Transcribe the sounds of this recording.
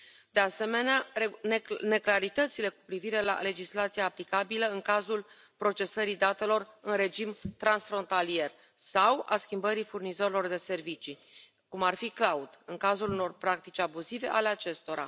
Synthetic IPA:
d̪̥e̞ase̞me̞neanne̞klaɾit̪ət̪sile̞ku̥pɾiviɾe̞la̰le̞d͡ʒislat̪sijaːplikabiləɨŋkazul | pɾo̞t͡ʃe̞səɾid̪at̪e̞lo̞rɨnre̞d͡ʒimt̪ɾansfɾo̞nt̪alije̞r | sawa̰skʲimbəɾifurnizo̞ɾelo̞rd̪e̞se̞rvit͡ʃi | kumarfiklaud̪ɨŋkazuluno̞rpɾak̚t̪it͡ʃʲabuzive̞ʔale̞at͡ʃe̞st̪o̞ɾa̰

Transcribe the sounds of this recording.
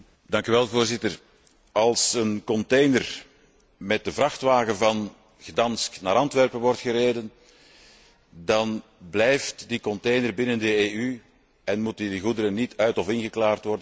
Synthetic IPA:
dɑŋkyʋɛlˠvoːrzɪtər | ɑlˠsənkɔnteːnər | mɛt̚dəvrɑxtʋaːɣəvɑn | ɣədɑnstnaːɾɑntʋɛrpənʋɔrtxəɾeːdən | dɑnblɛjftdikɔnteːjnərbɪnəndəeːy | ɛnmutdiɣudəɾənitʰœɥtɔfɪnɣəklaːrtʋɔrdən

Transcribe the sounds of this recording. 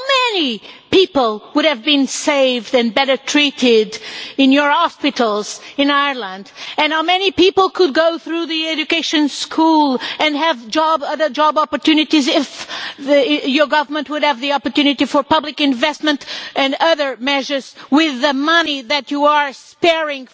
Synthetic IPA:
amɛnipipl̩ˠwʊɾɨvbɨ̃nseɪvdɨ̃nbɛɾə˞tʰɹ̥iɾɪɾɪ̃njə˞hɑspɨɾl̩ˠz̥ɨ̃naɪə˞lə̃ndɨ̃nhaʊmɛnipipl̩ˠkʰɨd̚ɡoʊθɹuðiɛd͡ʒɨkeɪʃɨ̃nskʰulˠɨ̃nɨvd͡ʒɑbʌðə˞d͡ʒɑbɑpə˞tʰʉnɨtizɪf | jə˞ɡʌvə˞mə̃nt̚wʊɾɨvðiɑpə˞tʉnɨtifə˞pʌblɨkɨ̃ɱvɛst̚mɨ̃ntʔɨ̃nʌðə˞mɛʒə˞z̥wɪðɨmʌniðɨt͡ʃɨə˞spɛɹɪ̃ŋ

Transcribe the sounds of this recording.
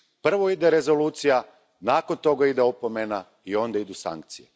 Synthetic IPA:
pr̩ʋo̞id̪e̞ɾe̞zo̞luːt̪sija | naːko̞nt̪o̞ɡaid̪eopomena | io̞nd̪aid̪usa̰ŋk̚t̪sije

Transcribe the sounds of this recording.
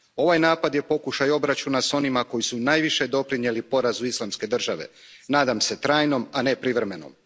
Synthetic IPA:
o̞ʋajnaːpad̪je̞po̞kuʃajo̞bɾat͡ʃunaso̞nimako̞jisunaːjʋiʃe̞d̪o̞pɾinje̞lipo̞ɾazuislˠamske̞d̪r̩ʒaʋe̞̰ | naːd̪amse̞t̪ɾaːjno̞manepɾiʋɾeme̞no̞̰m

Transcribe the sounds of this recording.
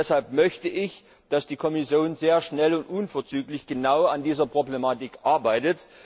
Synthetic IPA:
ɛshalpmœçtəʔɪç | d̥asd̥iːkʰɔmɪsjoːnzeːɐʃnɛlʊntʔuːnfoːɐt͡syːklɪçɡ̥ənaʊandiːzɐpʁ̥oblemaːtɪkʔaɐbaɪtət

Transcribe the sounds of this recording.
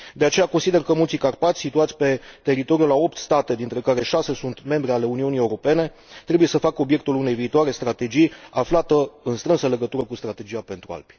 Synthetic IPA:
d̪e̞at͡ʃe̞jako̞nsid̪e̞rkəmult̪sikarpat̪sʲsit̪uat̪sʲpe̞t̪e̞ɾit̪o̞ɾijulao̞p̚t̪st̪at̪e̞d̪int̪ɾe̞kaɾe̞ʃase̞sunt̪me̞mbɾeale̞uniunie̞uɾo̞pe̞ne̞ | t̪ɾe̞buje̞səfakəobje̞k̚t̪ulune̞jviːt̪uaɾe̞st̪ɾat̪e̞d͡ʒijaflat̪əɨnst̪ɾɨnsəle̞ɡət̪uɾəkust̪ɾat̪e̞d͡ʒiape̞nt̪ɾua̰lb̥ʲi̥

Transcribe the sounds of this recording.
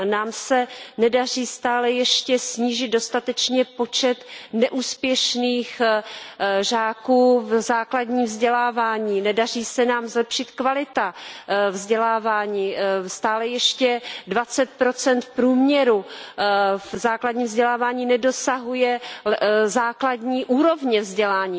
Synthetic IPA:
naːmsɛnɛdar̝iːst̪aːlɛjɛʃcɛsɲiːʒɪt̪̚do̞st̪at̪ɛt͡ʃɲɛpo̞t͡ʃɛt̪nɛʔuːspjɛʃniːx | ʒaːkuːvzaːkladɲiːmvzɟɛlaːvaːɲiːnɛdar̝iːsɛnaːmzlɛpʃɪt̪kvalɪt̪avzɟɛlaːvaːɲiːst̪aːlɛjɛʃcɛdvat͡sɛt̪̚pɾo̞t͡sɛnt̪fpɾuːmɲɛɾu | vzaːkladɲiːmvzɟɛlaːvaːɲiːnɛdo̞saɦujɛ | zaːkladɲiːʔuːɾo̞vɲɛvzɟɛlaːɲiː

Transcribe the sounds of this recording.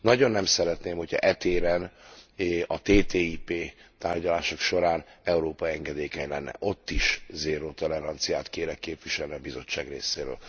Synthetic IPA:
nɒɟo̞nːɛmsɛɾɛt̪neːmho̞cʰɒ̰ʔɛt̪eːɾɛn | ɒt̪eːt̪eːipeːt̪aːrɟɒlaːʃo̞kʃo̞ɾaːnɛuɾoːpɒɛŋɡɛd̪eːkɛɲlɛnːɛ̰ʔo̞t̪ːiʃzeːɾoːt̪olɛɾɒnt̪sijaːt̪keːɾɛkːeːpʋiʃɛlniɒbizo̞t͡ʃːa̰ːɡrḛːseːɾø̰ːl

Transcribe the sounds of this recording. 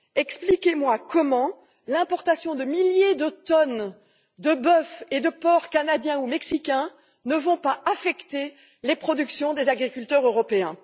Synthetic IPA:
ɛksplikʲemwakɔmɑ̃ | lɛ̃pɔʁt̪asjɔ̃d̪əmiljed̪ət̪ɔn | d̪əbœfed̪əpɔʁkanad̪jɛ̃umɛksikʲɛ̃ | nəvɔ̃paʔafɛkt̪e | lepχɔd̪yksjɔ̃d̪ezaɡʁikʲylt̪œʁøʁɔpeɛ̃

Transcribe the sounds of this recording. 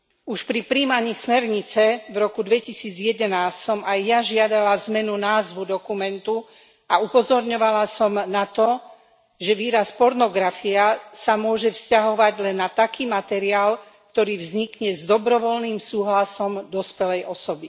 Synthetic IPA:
uʃpɾipɾiːmaɲiːsmɛɾɲit͡sɛvɾɔkud̪ʋɛcisiːd͡zjɛd̪ɛnaːssɔmajːaʒɪad̪alazmɛnunaːzʋud̪ɔkumɛnt̪u | aupɔzɔɾɲɔʋalasɔmnat̪ɔ | ʒɛʋiːɾaspɔɾnɔɡɾafiasamʊɔʒɛfscaɦɔʋaɟlɛnːat̪akiːmat̪ɛɾiaːl | kt̪ɔɾiːvzɲikɲɛzd̪ɔbɾɔʋɔlniːmsuːɦlasɔmd̪ɔspɛlɛjʔɔsɔbi

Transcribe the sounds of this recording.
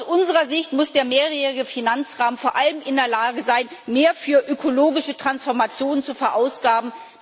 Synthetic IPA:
sʔʊnzəʁɐzɪçtmʊsd̥eːɐmeːʁjeːʁɪɡəfinant͡sʁaːmənfoːɐʔaləmʔɪndeːɐlaːɡəzaɪnmeːɐfyːɐʔøkʰoloːɡɪʃətʁ̥ansfɔɐmat͡sjoːnənt͡sufɛɐʔaʊsɡ̥aːbm̩

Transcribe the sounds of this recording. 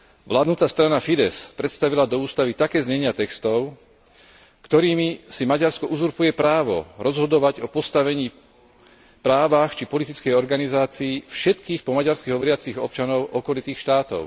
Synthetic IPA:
ʋlaːd̪nut̪ast̪ɾanafid̪ɛspɾɛt̪st̪aʋilad̪ɔuːst̪aʋit̪akɛːzɲɛɲɪat̪ɛkst̪ɔʊ | kt̪ɔɾiːmisimaɟaɾskɔʔuzuɾpujɛpɾaːʋɔ̰ɾɔzɦɔd̪ɔʋaɟɔpɔst̪aʋɛɲiː | pɾaːʋaxt͡ʃipɔlit̪it͡skɛjɔɾɡanizaːt͡siːfʃɛt̪kiːxpɔmaɟaɾskiɦɔʋɔɾɪat͡siɣɔp̚t͡ʃanɔʊʔɔkɔlit̪iːxʃt̪aːt̪ɔ̰ʊ

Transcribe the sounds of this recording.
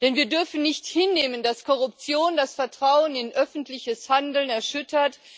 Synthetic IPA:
d̥ɛnviːɐdʏɐfn̩nɪçthɪnːeːməndaskʰɔʁʊp̚t͡sjoːndasfɛɐtʁ̥aʊənɪnʔœfn̩tlɪçəshandl̩nɛɐʃʏtɐt

